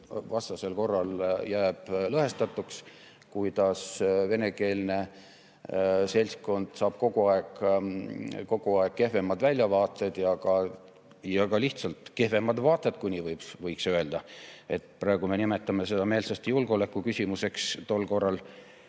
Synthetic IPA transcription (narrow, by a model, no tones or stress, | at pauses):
vɑst̪ɑse̞lko̞rːɑljæːb̥lɤɦe̞st̪ɑt̪ːˑuks | kujd̪̥ɑsve̞ne̞ke̞ːlne̞ | se̞lʲsko̞nd̪̥sɑːb̥ko̞ɡuɑeɡ | ko̞ɡ̥uɑeɡ̥kːe̞hvemɑd̪vælʲjɑvɑːt̪ˑːed̪̥jɑkɑ | jɑkɑliht̪sɑlt̪ke̞hve̞mɑd̪vɑːt̪ˑːed̪kunʲivɤjbsvɤjksøe̞ld̪̥ɑe̞t̪pɾɑeɡ̥ume̞nimet̪ːˑɑmes̬e̞d̪̥ɑmeːlsɑst̪julɡ̥o̞lekːˑukysʲimuse̞kst̪o̞lːko̞rːɑl